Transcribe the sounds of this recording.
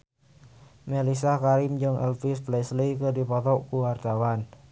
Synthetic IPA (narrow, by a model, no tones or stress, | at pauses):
mɛlisakaɾimd͡ʒɨŋʔɛ̰lfisplɛslikədipɔt̪ɔʔkuwart̪awan